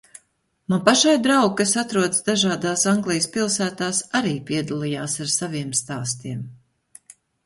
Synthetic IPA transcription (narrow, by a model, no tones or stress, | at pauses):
manpaʃajd̪ɾawɡ̚kasat̪ɾuɔd̪sd̪aʒaːd̪aːsaŋɡlˠijspilˠsæːt̪aːsaɾiːpʲiɛd̪alˠijaːsaɾsaviɛmst̪aːst̪iɛm